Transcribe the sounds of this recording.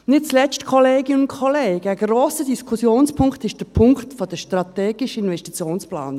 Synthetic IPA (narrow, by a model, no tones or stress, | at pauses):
nɪt̚t͡slɛt͡stkʰɔleːɡɪnʊntkʰɔleːɡ̥əəɡroːsədiskʰusjoːnspʰʊŋktɪʃtd̥ɛpʰʊŋktfod̥əʃtɾɑteːɡ̥ɪʃəɪnvɛstit͡sjoːnspla̰ːn